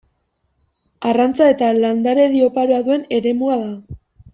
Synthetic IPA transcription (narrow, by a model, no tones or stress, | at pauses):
arant͡sae̞t̪aland̪aɾe̞ðio̞paɾoaðue̞ne̞ɾe̞muaða